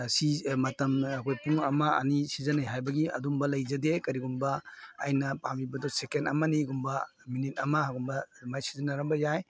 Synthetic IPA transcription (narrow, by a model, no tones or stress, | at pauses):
simɐtɐmɐkʰojpuŋɐmɐɐ̰nisizɐnajɦajbɐɡiɐ̰dumbɐlɐjzɐdekɐɾiɡumbɐːjnɐpamibɐdɔsekenɐ̰mɐniɡumbɐminit̚ɐmɐhaɡumbɐmajsi̥zɐnaɾɐmbɐjaj